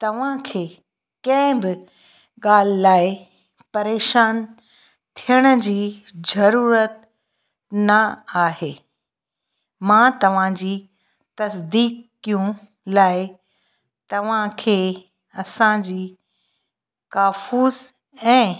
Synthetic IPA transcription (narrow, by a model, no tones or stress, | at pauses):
t̪ɐʋ̤ãkʰeː | kɐ̃ɦɪ̃bɪ | ɠaːl̤ɪlaːɪ | pɐɾeːʃaːn | t̪ʰijəɽ̃ʊ̆d͡ʑiːzɐɾuːɾət̪̚ | nɐaːɦeː | mãt̪ɐʋ̤ãd͡ʑiː | t̪ɐsd̪iːkːijũ | laːɪ | t̪ɐʋ̤ãkʰeː | ɐsãd͡ʑiː | kaːfuːz | ɛ̃ː